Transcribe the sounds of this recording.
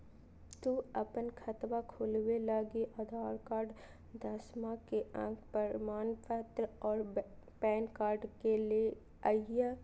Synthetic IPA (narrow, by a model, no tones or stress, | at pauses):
t̪uːɐpənkʰɐt̪ʋakʰoːlwelaːɡiʔaːd̪ʱaːɾkaːɾɖ | d̪ɐsmãkeə̰̃kʰpəɾmaːnpʰɛːt̪lɔːɾpɛːnkaːɾɖkele | aja